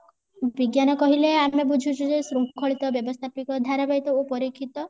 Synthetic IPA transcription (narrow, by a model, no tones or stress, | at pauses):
biɡjanɔkɔɦileameb̬ud͡ʒʱut͡ʃʰud͡ʒesɾupkʰːɔɭit̪ɔbjɔbɔst̪ʰapikɔd̪ʱaɾabajt̪ɔopɔɾikʰːit̪ɔ